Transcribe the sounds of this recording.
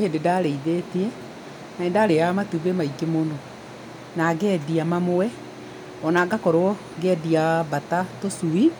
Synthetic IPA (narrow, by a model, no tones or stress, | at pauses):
hendedaɾeiðeteɛ | naendaɾeamatubemaikemonɔ | naɡɛdiamamowɛ | ɔnaɡakɔɾoɔ | ɡɛdiabatatosui